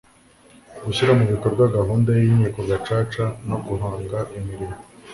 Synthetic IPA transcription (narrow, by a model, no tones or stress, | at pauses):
ɡuçiɾamuβikoɾɡwaɡaɦuːndajimɲiːko̞ɡat͡ʃaːt͡ʃano̞ɡuɦaːŋɡaʔimiɾim